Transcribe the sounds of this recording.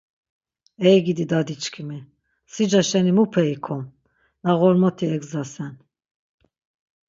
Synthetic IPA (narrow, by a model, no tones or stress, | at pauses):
ɛjɡid̪id̪ad̪it͡ʃʰkʰimi | sid͡ʒaʃɛnimupʰɛikʰɔm | naɣɔɾmɔt̪ʰiɛɡzasɛn